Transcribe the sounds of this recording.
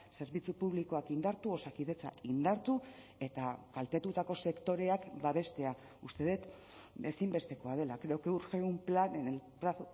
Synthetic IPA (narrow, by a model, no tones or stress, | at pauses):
se̞ɾβit͡supuβliko̞akind̪aɾt̪uo̞sakið̞e̞t͡sa̰ind̪aɾt̪u | e̞t̪akalt̪e̞t̪ut̪ako̞se̞kt̪o̞ɾe̞akbaβe̞st̪e̞a | ust̪e̞ðet̪ | esimbe̞st̪e̞ko̞að̞e̞lakɾeokeuɾxeumplanenelpɾas